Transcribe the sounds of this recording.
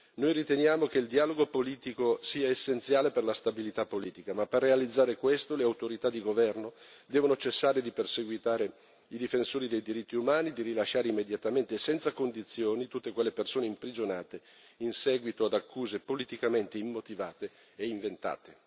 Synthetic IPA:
nojrit̪enjaːmokeild̪iaːloɡopoliːt̪ikosiːaesːent̪sjaːleperlast̪abilit̪apːoliːt̪ikamaperːealid̪zːaːɾekwest̪oleawt̪oɾit̪ad̪iɡovɛrno | d̪ɛːvonot͡ʃesːaːɾed̪iperseɡwit̪aːɾe | id̪ifensoːɾid̪ejd̪iɾit̪ːiumaːnid̪iɾilaʃːaːɾeimːed̪jat̪ament̪esɛnt̪sakond̪it̪sːjoːnit̪ut̪ːekwelːepersoːneimpɾid͡ʒonaːt̪e | insɛːɡwit̪oad̪akʰːuːzepolit̪ikament̪eimːot̪ivaːt̪eː | iɱvent̪a̰ːt̪e

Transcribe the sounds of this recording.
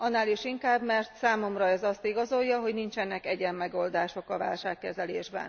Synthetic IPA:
ɒnːaːliʃiŋkaːbmɛrt̪saːmo̞mrɒɛzɒst̪iɡɒzo̞jːɒɦo̞ɟnint͡ʃɛnːɛkɛɟɛmːɛɡo̞ld̪aːʃo̞kɒva̰ːlʃaːkːɛzɛlḛːʒbɛ̰n

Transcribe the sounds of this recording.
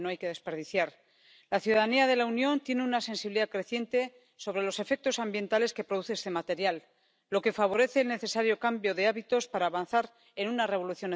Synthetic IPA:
noajkeðe̞speɾðiθjaɾ | laθjuðaðaniaðe̞launjõ̞nt̪je̞neunase̞nsiβliðakɾe̞θje̞nt̪e̞ | so̞β̞ɾe̞lo̞se̞fe̞k̚t̪o̞sambje̞nt̪ale̞ske̞pɾoðuθeest̪e̞mat̪e̞ɾjalː | o̞ke̞faβ̞o̞ɾe̞θe̞ːlne̞θe̞saɾjo̞kambjo̞ðe̞aβit̪o̞spaɾaːβan̟θaɾ | e̞nunare̞βo̞luθjo̞n

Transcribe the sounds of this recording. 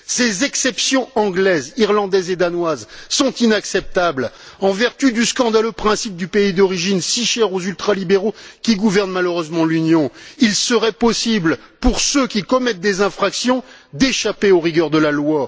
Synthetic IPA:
sezɛksɛpsjɔ̃ɑ̃ɡlɛziʁlɑ̃d̪ɛzed̪anwazsɔ̃t̪inaksɛp̚t̪ablɑ̃vɛʁt̪yd̪yskɑ̃d̪aløpχɛ̃sip̚d̪ypeid̪ɔʁiʒinsiʃɛʁozylt̪χalibeʁokʲiɡuvɛʁnmaløʁøzmɑ̃lynjɔ̃ilsəʁɛpɔsiblpuʁsøkʲikɔmɛt̪̚d̪ezɛ̃fχaksjɔ̃d̪eʃapeoʁiɡœʁd̪əlalwa

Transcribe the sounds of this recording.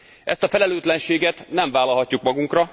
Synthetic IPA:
ʔɛ̰st̪ɒfɛlɛløːt̪lɛnʃeːɡɛt̪nɛɱvaːlɒlɦɒcːukmɒɡuŋkrɒ

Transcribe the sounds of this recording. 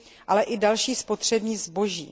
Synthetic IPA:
ʔalɛʔɪdalʃiːspo̞t̪r̝̥ɛbɲiːzbo̞ʒḭː

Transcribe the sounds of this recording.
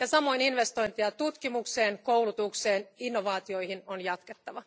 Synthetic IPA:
jɑsɑmo̞ininʋe̞st̪o̞jnt̪iɑt̪ut̪kimukse̞ːnkowlut̪ukse̞ːninːoʋɑːt̪io̞jhinonjɑt̪ket̪ːɑʋɑ

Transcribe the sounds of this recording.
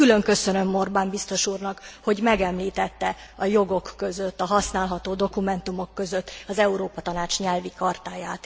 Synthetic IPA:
kylø̞ŋkø̞sønø̞mːo̞rbaːmbist̪o̞ʃuːrnɒkho̞ɟmɛɡɛmliːt̪ɛt̪ːɛ | ɒjo̞ɡo̞kːø̞zøt̪ːɒɦɒsnaːlɦɒt̪oːd̪o̞kumɛnt̪umo̞kːø̞zøt̪ːɒzɛuɾoːpɒt̪ɒnaːt͡ʃɲɛlvikɒrt̪aːjaːt̪

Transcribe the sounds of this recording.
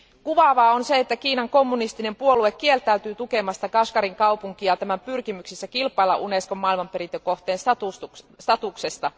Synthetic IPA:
kuʋɑʋɑːo̞nseet̪ːækiːnɑŋko̞mːunist̪ine̞mpuolue̞kːielt̪æyt̪yːt̪uke̞mɑst̪ɑkɑskɑɾiŋkɑupuŋkiɑt̪æmæmpyrkimyksisːækilpˑɑilɑ̰ʔuneskomːɑilmɑmpe̞ɾint̪øko̞ht̪eːnsɑt̪usust̪ɑt̪uksest̪ɑ

